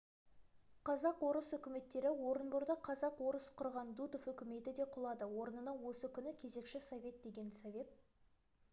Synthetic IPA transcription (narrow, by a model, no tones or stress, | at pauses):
qʰɑzɑqwo̞ɾəsʏkʲɪme̞t̪ːe̞ɾɪwo̞ɾənbʊɾd̪ɑqʰɑzɑqwo̞ɾəsqʰʊɾʁɑnd̪ud̪ofʏkʲɪme̞t̪ɪd̪e̞qʰʊlˠɑd̪əwo̞ɾənənɑwo̞səkʲʰʏnɪkʲʰe̞ze̞kʃɪsovʲe̞t̪̚d̪e̞ɡʲe̞nsovʲe̞t̪̚